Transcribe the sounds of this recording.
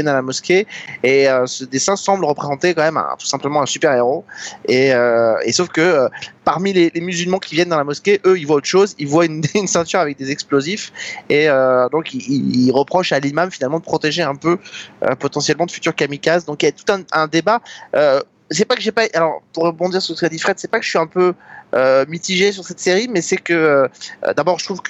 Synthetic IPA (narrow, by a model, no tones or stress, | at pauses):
ɛnalamɔskʲeeøsəd̪esɛ̃sɑ̃bləʁəpχezɑ̃t̪ekɑ̃mɛmɛ̰̃t̪u̥sɛ̃pləmɑ̃ɛ̃sypɛʁeʁoeøesofkəøpaʁmilelemyzylmɑ̃kʲivjɛnd̪ɑ̃lamɔskʲeʔøilvwaot̪ʃozilvwaynynsɛ̃t̪yʁavɛk̚d̪ezɛksplozifeød̪ɔ̃kiiilʁəpχɔʃalimamfinalmɑ̃d̪əpχɔt̪eʒeɛ̃pøø̰pɔt̪ɑ̃sjɛlmɑ̃d̪əfy̥t̪yʁkamikʲazd̪ɔ̃kilat̪u̥t̪ɛ̃ɛ̃d̪ebaø | sɛpakəʒepaʔalɔʁpuʁːəbɔ̃d̪iʁsʁsə̥kad̪ifχɛd̪sɛpakə̥ʒəʃɥiɛ̃pøømit̪iʒes̬yʁsɛt̪seʁimɛsɛkəøø̰d̪abɔʁʒət̪χuvk